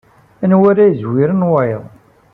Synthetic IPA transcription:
ænwæɾæjzwiɾənwajðˤ

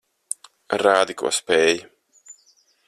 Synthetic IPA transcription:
ɾaːd̪ikṵɔspɛːj

